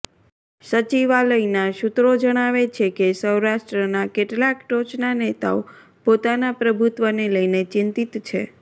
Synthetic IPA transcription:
sət͡ʃiʋaləjnaʃut̪ɾod͡ʒəɽ̃aʋet͡ʃʰekesəwɾaʃʈɾənakeʈlakʈot͡ʃnanet̪a̰o | pot̪anapɾəbʱut̪ʋəneləjnet͡ʃɪnt̪it̪t͡ʃʰe

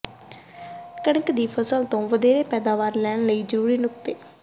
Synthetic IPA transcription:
kəɽəkd̪iːpʰəsəlt̪õːʋəd̪eːɾeːpɛːd̪aːʋaːɾlɛːnləiːzəɾuːɾiːnʊk̚t̪eː

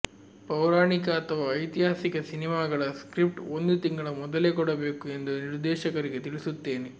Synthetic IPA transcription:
pɐwɾaːɳikɐːt̪ʰɐʋaːɐjt̪iɦaːsikɐsinimaːɡɐɭɐskɾip̚ʈond̪ut̪iŋɡɐɭɐmɔd̪ɐleːkɔɽɐbeːkue̞nd̪uniɾd̪ɛːʃɐkɐɾiɡet̪iɭisut̪ːe̞ːne

